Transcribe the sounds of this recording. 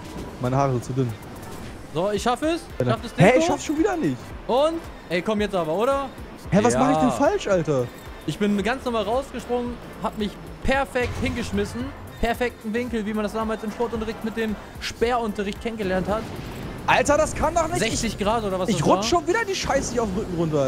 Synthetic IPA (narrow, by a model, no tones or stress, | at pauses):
maɪnəhaːʁəzɪt͡sudʏn | zoːɪçʃafəɛs | ʃafdasd̥ɪhɛɪçʃafʃoːnviːdɐnɪçtʔʊnt | ʔɛɪkʰɔmjɛt͡stʔaːbɐoːɾɐ | hɛvasaaχəɪçd̥ɛnfalʃʔaltɐ | ʔɪçb̥ɪnɡant͡snɔʁmaːlʁaʊsɡ̥əʃpʁ̥ʊŋən | habmɪç | pʰɛɐfɛk̚thɪnɡəʃmɪsn̩ | pʰɛɐfɛk̚tn̩vɪŋkl̩viːmandasd̥aːmaːlsɪmʃpɔɐtʊntɐʁɪçtmɪt̚d̥eːm | ʃb̥ɛːɐʊntɐʁɪçt̚kʰɛnənɡəlɛɐnthatʔaltɐdaskʰandɔχnɪzɛçt͡sɪçɡ̥ʁaːtoːɾɐvasɪ̥açʁʊʃoːnviːdɐdiːʃaɪsəiçaʊfʁʏkŋ̩ʁʊntɐ